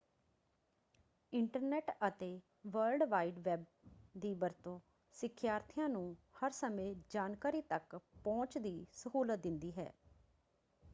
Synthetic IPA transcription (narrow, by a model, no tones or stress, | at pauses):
ɪɳʈəɾnɛːʈət̪eː | ʋəlɖʋaːiːɖʋɛːb̚d̪iːbəɾt̪õː | sɪkʰːjaːɾt̪ʰɪjãːnũːhəɾsəmẽːd͡ʒaːnkaːɾiːt̪əkpɔ̃ːt͡ʃd̪iːsəɦuːlət̪̚d̪ɪnd̪iːɦɛ̰ː